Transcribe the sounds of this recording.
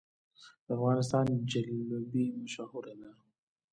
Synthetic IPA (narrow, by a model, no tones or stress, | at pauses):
d̪̥əafɣɑnɪs̬t̪ɑnd͡ʒalbimaʃahʊɾalaɾu